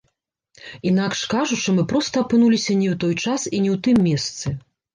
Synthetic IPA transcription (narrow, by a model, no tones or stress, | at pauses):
inakʂkaʐut͡ʂɨmɨpɾɔst̪ɐɐpɨnulʲisʲɐnʲɛwt̪ɔjt͡ʂasinʲɛwt̪ɨmːʲɛst̪sɨ